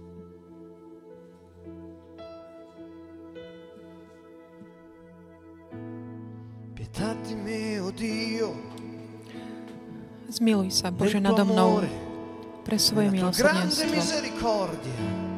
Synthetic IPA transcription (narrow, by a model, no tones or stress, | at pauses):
pjɛt̪ʰad̪imeod̪io | zmilujsabɔʒɛnad̪ɔmnnɔʊɾe | pɾʔɛsʋɔjɛmilɔsɡɾanɛsd̪emiɔzeɾikʰɔɾd̪ja